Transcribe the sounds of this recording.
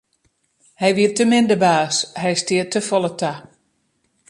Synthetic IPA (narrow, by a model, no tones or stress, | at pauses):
hɛjʋiətəmɪndəbaːshɛjstɪətʰəfɔlˠəta